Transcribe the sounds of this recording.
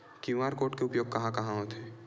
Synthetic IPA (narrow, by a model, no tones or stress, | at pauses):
kjumaːɾkoːʈkeʊpjoːɡ̚kɐɦãkɐɦãɦot̪eː